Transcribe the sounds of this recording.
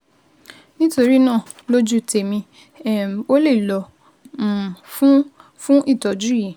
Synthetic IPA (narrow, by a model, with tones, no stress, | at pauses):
nĩ˦to˧ɾi˦nã˦˨ | lo˦d͡ʒu˦tʰe˨mĩ˧˨ | o˦le˦˨i˨lɔ˧˨ | fũ˦ | fũ˦ʔi˦˨tɔ˨d͡ʒu˦i˨